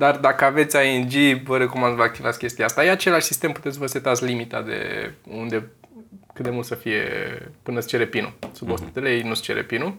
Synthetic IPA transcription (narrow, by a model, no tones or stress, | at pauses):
d̪ard̪akəave̞t̪sʲaɨnd͡ʒivəɾe̞ko̞mand̪vəak̚t̪ivat̪sʲkʲe̞st̪ijaast̪ajeat͡ʃe̞laʃsist̪e̞mpu̥t̪et̪s̬ʲvəset̪at̪sʲlimit̪ad̪ḛund̪e̞ | kɨt̪d̪e̞mult̪səfije̞̰pɨnəst͡ʃe̞ɾepinṵsubo̞st̪i̥t̪elejejnust͡ʃe̞ɾḛpinu